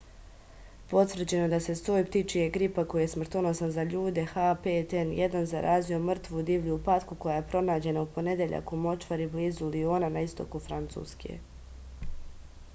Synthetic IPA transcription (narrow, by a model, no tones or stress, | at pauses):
po̞t̪ʋvr̩t͡ɕe̞nod̪ase̞soːjpt̪it͡ʃijeɡɾipako̞jujesmr̩t̪onosanzaʎuːd̪e̞xapet̪enjed̪anzaɾʔaːzio̞mr̩t̪ʋud̪iːʋʎupat̪kuko̞jaje̞pɾo̞naːd͡ʑe̞naupo̞ne̞d̪eʎa̰kumo̞t͡ʃʋaɾibliːzulio̞ːnanaist̪o̞̰kufɾant̪sṵːskʰḛ